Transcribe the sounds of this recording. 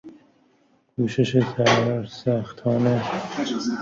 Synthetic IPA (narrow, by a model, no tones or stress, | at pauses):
ɡ̥uːʃeʃet̪ʰæɾɒːɾsæxt̪ʰɒːne